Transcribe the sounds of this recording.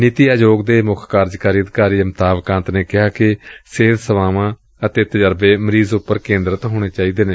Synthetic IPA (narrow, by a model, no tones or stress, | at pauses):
nɪt̪iːaːd͡ʒoːɡd̪eːmʊkʰkaːɾd͡ʒkaːɾiːəd̪kaːɾiːəmt̪aːʋkãːnt̪neːkɪɦaːkɪseːd̪səʋaːʋãː | ət̪eːt̪əd͡ʒəɾbeːməɾiːzʊpːəɾkẽːnd̪ɾət̪ɦoːɽ̃eːt͡ʃaːiːd̪eːneː